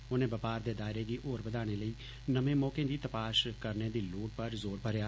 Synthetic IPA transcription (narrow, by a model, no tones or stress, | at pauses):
ʊnẽːbəpaːɾd̪eːd̪aːɪɾeːd̪iːʔoːɾbəd̪aːɽ̃eːləiː | nəmẽːmɔːkẽːd̪iːt̪əpaːʃkəɾneːd̪iːloːʈ̚pəɾzoːɾbʱəɾjaː